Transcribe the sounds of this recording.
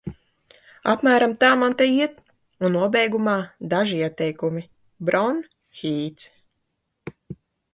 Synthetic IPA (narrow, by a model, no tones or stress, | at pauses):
apmæːɾamt̪aːmant̪ɛjiɛt̪ | unːuɔbɛjɡumaːd̪aʒiiɛt̪ɛjkumi | bɾɔn | xiːt̪s